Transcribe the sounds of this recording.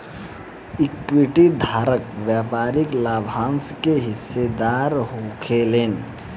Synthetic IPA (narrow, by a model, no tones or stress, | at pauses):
ɪkwiʈid̪ʱaːɾəkʋjaːpaːɾɪklaːbʱãːnskeɦɪsːed̪aːɾɦoːkʰeleːn